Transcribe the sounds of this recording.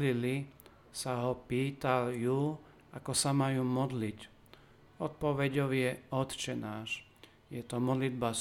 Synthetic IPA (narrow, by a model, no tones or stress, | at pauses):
lili | saɦɔpiːt̪alju | akɔsamajuːmɔd̪lic | ɔt̪̚pɔʋɛɟɔʊjɛɔt̪t͡ʃɛnaːʃ | jɛt̪ɔmɔd̪lid̪ba